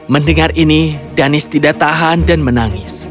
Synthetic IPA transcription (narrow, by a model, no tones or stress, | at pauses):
məndəŋarinidanɪst̪idaʔt̪aɦandanmənaŋɪs